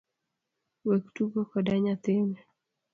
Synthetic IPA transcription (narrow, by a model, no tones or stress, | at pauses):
wektuɡokɔdaɲat̪ɪmɛ